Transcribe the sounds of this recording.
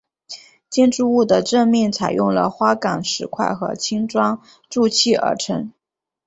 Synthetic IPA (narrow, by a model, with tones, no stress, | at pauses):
t͡ɕjɛ˥nʈ͡ʂu˥˧u˥˩d̪ə˩ʈ͡ʂə˥˧ŋmjɛ˥˩nt͡sʰa˨˩ɪjʔʊ˥˩ŋlə̰˩xwa˥kɑ˨˩ŋʂɻ̩˧˥kʰwa̰˥˩ɪxɤ̰˧˥t͡ɕʰi˥ŋʈ͡ʂwɑ˥ŋ | ʈ͡ʂu˥˧t͡ɕʰi˥˩ə̰˞˧˥ʈ͡ʂʰə˧˥ŋ